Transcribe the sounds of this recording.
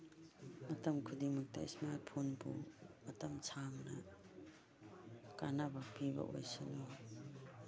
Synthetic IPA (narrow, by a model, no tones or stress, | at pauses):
mɐtɐmkʰudimɐk̚tɐ̰ḭsmaɾt̚pʰonbṵmɐtɐmsʰamnɐ | kanɐbɐpibɐ̰ʔo̰jsino